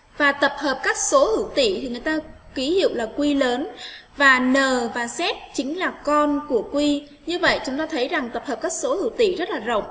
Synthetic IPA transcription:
vaː˨˩t̪ə˨˩p̚həː˨˩p̚kaː˦˥k̚so˨˦hɨ̰˧˩wt̪ḭ˧˨t̪ʰi˨˩ŋɨ˨˩əjt̪aː˧ki˨˦hḭ˧˨wlaː˨˩kwi˧ləː˨˦nvaː˨˩nəː˨˩vaː˨˩sɛ˦˥t̚t͡ɕï˨˦ŋ̟laː˨˩kɔ˧nku˧˩əkwi˧ | ɲɨ˧və̰˧˨jt͡ɕʊ˨˦ŋ͡mt̪aː˧t̪ʰə˨˦jza˨˩ŋt̪ə˨˩p̚həː˨˩p̚kaː˦˥k̚so˨˦hɨ̰˧˩wt̪ḭ˧˨zə˦˥t̚laː˨˩zə̰˧˨wŋ͡m

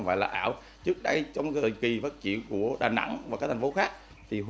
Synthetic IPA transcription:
ŋ͡mvɔ̰ː˧˨jlaː˨˩ʔaː˧˩˨w | t͡ɕɨ˦˥k̚ɗə˧jt͡ɕɔ˧wŋ͡mɣə˨˩ki˨˩vəː˦˥t̚t͡ɕḭ˧˨ənku˧˩əɗaː˨˩na̰˧˥ŋvaː˨˩kaː˦˥t̪̟ʰfo˨˦xaː˦˥k̚ | t̪ʰi˨˩ɦ

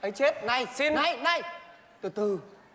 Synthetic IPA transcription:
ʔə˨˦jt͡ɕe˦˥t̚na˨˩jsi˧nːa˧˩jna˧˩j | t̪ɨ˨˩t̪ɨ˨˩

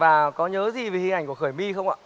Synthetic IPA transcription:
vaː˨˩kɔ˨˦ɲəː˨˦zi˨˩ve˨˩hi˧ŋʔa˧˩ŋku˧˩xəː˧˩jmi˧xə˧wŋ͡mʔa̰ː˧˨

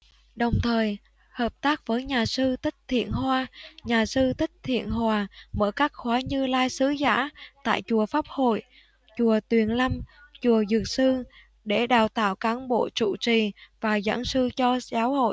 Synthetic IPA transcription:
ɗə˨˩wŋ͡mt̪ʰəː˨˩j | həː˨˩p̚t̪aː˦˥k̚vəː˨˦jɲaː˨˩sɨ˧t̪ʰï˦˥k̚t̪ʰḭ˧˨ənhwaː˧ɲaː˨˩sɨ˧t̪ʰï˦˥k̟̚t̪ʰḭ˧˨ənɦwaː˨˩mə̰ː˧˥˩kaː˦˥k̚xwaː˨˦ɲɨ˧laː˧jsɨ˨˦za̰ː˧˥t̪a̰ː˧˨jt͡ɕu˨˩əfaː˦˥p̚ho̰˧˨j | t͡ɕu˨˩ət̪wi˨˩ənla˧mt͡ɕu˨˩əzɨ˨˩t̚sɨ˧ | ɗe˧˩ɗaː˨˩wt̪a̰ː˧˨wkaː˨˦nɓo̰˧˨t͡ɕṵ˧˨t͡ɕi˨˩vaː˨˩za̰ː˧˥nsɨ˧t͡ɕɔ˧zaː˨˦who̰˧˨j

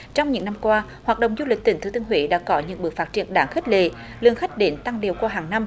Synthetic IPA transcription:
t͡ɕɔ˧wŋ͡mɲɨ̰˧˥ŋna˧mkwaː˧ | haː˨˩t̚ɗə̰˧˨ŋ͡mzu˧lï˨˩k̚t̪i˨˩˦ŋt̪ʰːt̪ɨ˧əŋɦwḭ˧˥ɗa̰ː˧˥kɔ˨˦ɲɨ̰˧˥ŋɓɨ˨˩kfaː˦˥t̚t͡ɕi˧˩ənɗaː˨˦ŋxe˦˥k̚le˧˩˨ | lɨ˧˩əŋxa˦˥k̟̚ɗe˨˦nt̪a˧ŋli˨˩əwkwaː˧ɦaː˨˩ŋna˧m

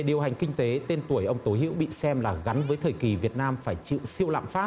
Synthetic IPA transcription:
ɗi˨˩əwɦa˨˩ŋ̟kï˧ŋ̟t̪e˨˦t̪e˧nt̪u˧˩əjʔə˧wŋ͡mt̪o˨˦jhḭ˧˥wɓḭ˧˨sɛ˧mlaː˨˩ɣa˨˦nvəː˨˦jt̪ʰəː˨˩ki˨˩vi˨˩ət̚naː˧mfaː˧˩jt͡ɕḭ˧˨wsi˧əwla̰ː˧˨mfaː˦˥

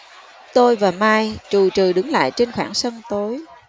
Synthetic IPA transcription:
t̪o˧jvaː˨˩maː˧jt͡ɕu˨˩t͡ɕɨ˨˩ɗɨ˨˦ŋla̰ː˧˨jt͡ɕe˧nxwa̰ː˧˩ŋsə˧ŋt̪o˨˦j

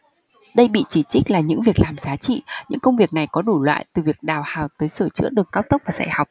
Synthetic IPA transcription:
ɗə˧jɓḭ˧˨t͡ɕi˧˩t͡ɕï˦˥k̟̚laː˨˩ɲɨ̰˧˥ŋvi˨˩ək̚laː˨˩mzaː˨˦t͡ɕḭ˧˨ɲɨ̰˧˥ŋkə˧wŋ͡mvi˨˩ək̚na˨˩jkɔ˨˦ɗu˧˩lwa̰ː˧˨jt̪ɨ˨˩vi˨˩ək̚ɗaː˨˩whaː˨˩wt̪əː˨˦jsəː˧˩t͡ɕɨ̰˧˥əɗɨ˨˩əŋkaː˦˥w̚t̪ə˦˥k͡p̚vaː˨˩za̰ː˧˩jha˨˩wk͡p̚

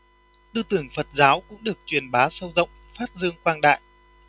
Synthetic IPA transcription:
t̪ɨ˧t̪ɨ˧˩əŋfə˨˩t̚zaː˨˦wkʊ̰˧˥ŋ͡mɗɨ˨˩ək̚t͡ɕwi˨˩ənɓaː˨˦sə˧wzə̰˧˨wŋ͡mfaː˦˥t̚zɨ˧əŋkwaː˧nɗa̰ː˧˨jʔ

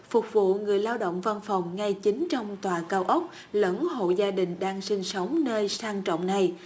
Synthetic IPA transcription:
fʊ˨˩k͡p̚vṵ˧˨ŋɨ˨˩əjlaː˧wɗo̰˧˨wŋ͡mva˧nfɔ˨˩wŋ͡mŋa˧jt͡ɕi˨˦ŋ̟t͡ɕɔ˧wŋ͡mt̪waː˨˩kaː˧wʔə˦˥wk͡p̚ | ləː˨˦nɦo̰˧˨zaː˧ɗï˨˩ŋ̟ɗaː˧ŋsï˧ŋsə˨˦wŋ͡mnəː˧jsaː˧ŋt͡ɕɔ̰˧˨wŋ͡mna˨˩j

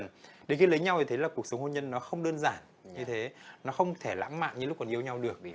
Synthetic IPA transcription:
nɗe˨˩ki˨˦lə˨˦jɲa˧w̪ʰt̪ʰe˨˦laː˨˩ku˨˩ək̚sə˨˦wŋ͡mho˧ɲə˧nːɔ˨˦xə˧wŋ͡mɗəː˧nzaː˧˩n | ɲɨ˧t̪ʰe˨˦nɔ˨˦xə˧wŋ͡mt̪ʰe˧˩la̰ː˧˥ŋma̰ː˧˨nɲɨ̰˧lʊ˦˥k͡p̚kːɔ˨˩nʔi˧əwɲa˧wɗɨ˨˩ək̚

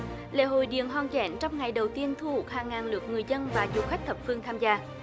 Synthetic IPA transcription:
lḛ˧˥ɦo̰˧˨jɗḭ˧˨ənɦwaː˨˩ŋzɛ̰˧˥nt͡ɕɔ˧wŋ͡mŋa˨˩jɗə˨˩wt̪i˧ənt̪ʰu˧hu˨˩k̚haː˨˩ŋːaː˨˩nlɨ˨˩ək̚ŋɨ˨˩əjzə˧nvaː˨˩zu˨˩xa˦˥k̚t̪ʰə˨˩p̚fɨ˧əŋt̪ʰaː˧mzaː˧

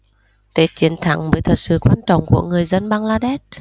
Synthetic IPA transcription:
t̪e˧˦t͡ɕi˨˦ənt̪ʰa̰˧˩ŋvəː˨˦jt̪ʰə˨˩t̚sɨ̰˧˨kwaː˧nt͡ɕɔ̰˧˨wŋ͡mkṵ˧˩əŋɨ˨˩əjzə˧nɓaː˧ŋlaː˧ɗɛ˦˥t̚

